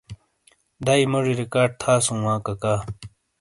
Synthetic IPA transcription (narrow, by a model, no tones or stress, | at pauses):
d̪aːimɐʐiɾikaːɖ̚t̪ʰaːsũːwãːkɐkaː